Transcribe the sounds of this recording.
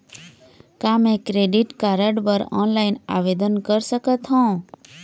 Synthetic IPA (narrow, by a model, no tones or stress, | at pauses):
kamẽkɾeɖiʈkaɾəɖbəɾɔ̰nlaina̰ʋed̪ənkəɾsəkət̪ɦɔ̃